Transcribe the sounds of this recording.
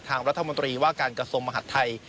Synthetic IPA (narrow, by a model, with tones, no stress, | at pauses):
t̪ʰaː˧ŋɾa˦˥t̪ʰːmo˧nt̪ɾiː˧waː˥˩kaː˧nkɾa˧su˧əŋma˧ɦa˨˩t̪ʰːa˧j